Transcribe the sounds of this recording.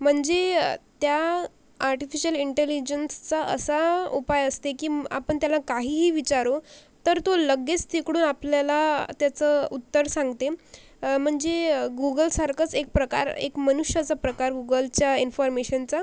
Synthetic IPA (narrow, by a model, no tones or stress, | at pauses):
m̤əɳd͡zet̪ja | aɾʈifiɕəliɳʈelid͡ʑənst͡saʔə̰saupajəst̪ekiːa̰pəɳt̪jalakaɦiːɦiːʋit͡ɕaɾo | t̪əɾt̪oləɡet͡st̪ʰikɽuːnapljalat̪jat͡səut̪ːəɾsãŋɡt̪e | m̤əɳd͡zeɡuɡəlsaɾkʰət͡sek̚pɾəka̰ɾḛkmənuɕjat͡sapɾəkaɾɡuɡəlt͡ɕjainfɔɾmeɕənt͡sa